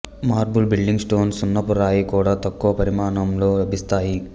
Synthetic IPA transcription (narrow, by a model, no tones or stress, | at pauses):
maːɾbulbilɖiŋɡsʈo̞ːnsunːɐpuɾaːjikuːɽaːt̪ɐkːuʋɐpɐɾimaːɳɐmlo̞ːlɐbʱist̪aːji